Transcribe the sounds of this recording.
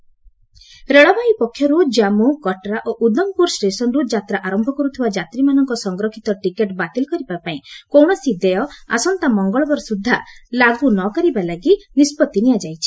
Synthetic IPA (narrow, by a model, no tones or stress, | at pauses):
ɾeɭabaipɔkʰːjɔɾud͡ʒamukɔʈɾaʔoʔud̪ɔmpuɾsʈesɔnɾud͡ʒat̪ɾaʔaɾɔmbʱɔkɔɾut̪ʰibad͡ʒat̪ɾimanɔŋkɔsɔŋɡɾɔkʰit̪ɔʈikeʈbat̪elkɔɾibapaĩkowɳ̃ɔsid̪ejɔa̰sɔnt̪amɔŋɡɔɭɔbɔɾɔsud̪ʱːalaɡunɔkɔɾibalaɡinispɔt̪ːiniad͡ʒajt͡ʃʰi̥